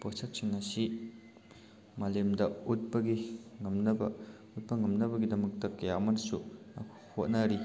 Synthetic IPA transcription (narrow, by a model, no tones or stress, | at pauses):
posɐk̚sʰiŋɐsi | malemdɐut̚pɐɡiŋɐmnɐbɐ̰ | ut̚pɐŋɐmnɐbɐɡidɐmɐk̚tɐkɐjamɐnsuɐkʰhot̚nɐɾi